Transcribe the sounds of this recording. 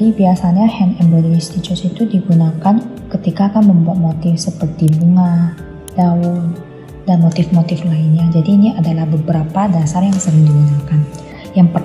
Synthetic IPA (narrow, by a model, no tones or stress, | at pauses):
ibiasaɲahɛnɛmbɛd̪list̪it͡ʃɔsit̪udiɡunakankət̪ikaːkanməmbuat̪̚mot̪ɪfsəpərt̪ibəŋa | daul | danmot̪ɪfmot̪ɪflainɲad͡ʒadiːniadalahbəbəɾapadasarjaŋsəɾɪŋdiɡunakan | jaŋpə